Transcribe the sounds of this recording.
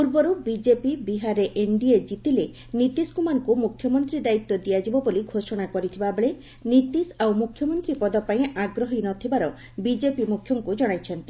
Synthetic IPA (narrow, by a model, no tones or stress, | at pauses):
uɾbɔɾubid͡ʒepibiɦaɾeʔeɳɖied͡ʒit̪ile | nit̪iskumankumukʰjɔmɔnt̪ɾid̪ait̪ːɔd̪ijad͡ʒibɔboliɡʱoʃɔɽ̃akɔɾit̪ʰibabeɭe | nit̪isawmukʰːjɔmɔnt̪ɾipɔd̪ɔpaĩaɡɾɔɦinɔt̪ʰibaɾɔ | bid͡ʒepimukʰjɔŋkud͡ʒɔɽ̃ajt͡ʃʰɔnt̪i